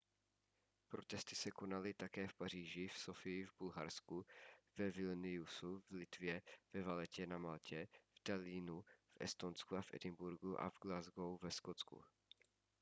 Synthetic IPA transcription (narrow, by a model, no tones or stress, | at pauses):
pɾo̞t̪ɛst̪ɪ̥sɛko̞nalɪt̪akɛːfpariːʒɪfsofɪjɪvbulɦa̰ɾskuvɛvɪlnɪjusuvlɪt̪vjɛvɛvalɛcɛnamalcɛvdaliːnuvʔɛ̰st̪onskuafʔɛ̰dɪmbuɾɡuʔa̰vɡlazɡowvɛskot͡skṵ